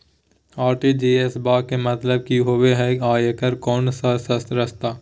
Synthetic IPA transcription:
aːɾʈid͡ʒeːesbaːkemɐt̪ləb̚kiɦoweɦɛaːjəkəɾkɔːnsasɐsɾəst̪aː

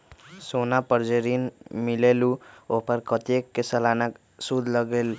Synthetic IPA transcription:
sonapəɾd͡ʒeɾinmileluoɦpəɾkət̪ekːesəlanak | sud̪ʱləɡel

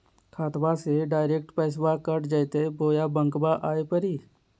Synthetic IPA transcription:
kʰaːt̪ʋaseɖaːɪɾeːk̚ʈpɛːs̬wakəʈd͡ʒəjt̪eboːjabə̃ŋkbaʔaːepəɾiː

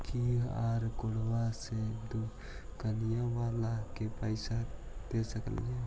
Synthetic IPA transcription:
kia̰ɾkoɽ̤wased̪u | kənijaʋalakepəɪsad̪esəkə̰le

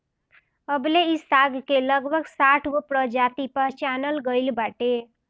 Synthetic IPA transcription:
əbleisaɡʱkeləɡbʱəɡsaʈʰɡopɾəd͡ʒat̪ipəɾt͡ʃanəlɡəɪlbaʈe

